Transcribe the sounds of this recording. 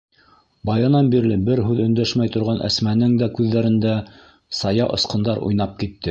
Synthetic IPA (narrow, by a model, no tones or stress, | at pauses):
bɑjɤ̆nɑnbiɾlɘbɘɾɦʉðɵ̆nd̪æʃmæjt̪ŏɾʁɑnʔæ̰smænɘŋd̪ækʉðːæɾɘ̆nd̪æ | sɑjɑʔŏ̰sqɤ̆nd̪ɑɾṵjnɑp̚kit̪ːɘ